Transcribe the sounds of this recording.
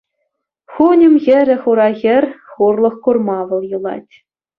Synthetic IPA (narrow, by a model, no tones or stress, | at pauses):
χunʲɘ̆mʲɣʲɘ̆ɾʲɘ̆χuɾɑɣʲɘ̆rʲχurlˠɤ̆χkurmɑʋɤ̆lˠjɯ̆lˠɑ̰tʲ